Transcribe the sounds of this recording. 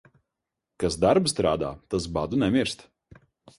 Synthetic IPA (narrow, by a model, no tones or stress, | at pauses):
kasd̪aɾpst̪ɾaːd̪a̰ːt̪as̬bad̪unʲɛmʲiɾst̪